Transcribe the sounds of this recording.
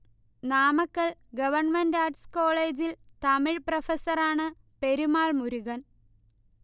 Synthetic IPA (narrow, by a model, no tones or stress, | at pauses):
naːmɐkːɐɭɡɐʋɐrɳmendaːɖsko̞ːɭeːd͡ʑilt̪ɐmiɻprɐfɐsɐraːɳɨ | pe̞ɾumaːɭmuɾuɣɐn